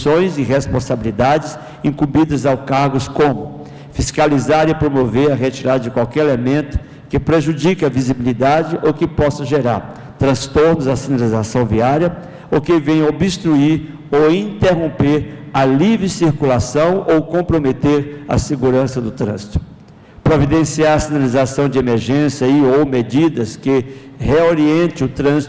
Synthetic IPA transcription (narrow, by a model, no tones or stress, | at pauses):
sõj̃zɪɦespõsabilid̪ad͡ʒɪs | ĩŋkũmbid̪ɐzawkaɾɡʊskõmʊ | fiskalizaɾɪpɾomoveɾɐɦet͡ʃiɾad̪ɐd͡ʒɪkwawkɛɾelemẽnt̪ʊ̥ | kɪpɾeʒud͡ʒikɐvizibilid̪ad͡ʒɪʔokɪpɔsɐʒeɾa̰ɾ | t̪ɾɐ̃st̪oɾnʊzɐsĩnalizasɐ̃w̃viaɾjɐ | ʊkɪvẽj̃obɪst̪ɾuiɾ | owĩnt̪eɦõpeɾɐlivɾɪsiɾkulasɐ̃w̃owkõmpɾomet̪eɾɐ̰seɡuɾɐ̃sɐd̪ʊt̪ɾɐ̰̃zit̪ʊ̥ | pɾovid̪ẽsiaɾɐsinalizasɐ̃w̃d͡ʒɪemeɾʒẽsjɐiowmed͡ʒid̪ɐskɪ | heoɾiẽnt̪ɪ̃ʊt̪ɾɐ̃zi